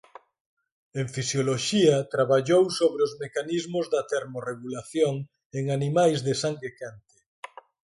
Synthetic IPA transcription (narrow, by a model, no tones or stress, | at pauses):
eɱfisjoloʃiɐt̪ɾaβaʎowsoβɾeozmekanizmʊzðɐt̪eɾmoreɣulaθjoŋ | eŋanimajzðesaŋɡekant̪e̥